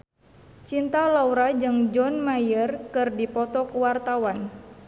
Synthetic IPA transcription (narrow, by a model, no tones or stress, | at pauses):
t͡ʃint̪alauɾad͡ʒɨŋd͡ʒɔnmajərkɨrdipɔt̪ɔkuwart̪awan